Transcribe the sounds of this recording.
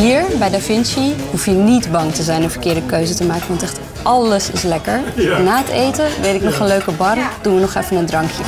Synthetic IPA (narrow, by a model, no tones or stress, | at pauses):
iɹbɛjdafɪnsiɦufjənidbɑŋtəzɛjnənvəɹkɪːɹdəkøɥzətəmaːkənʋɑntɛχt | ʔɑləsɪslɛkəɹnaːətejtəʋejtɪknɔχənløɥkəbɑrd̥unʋənɔχɛfənəndrɑŋkjə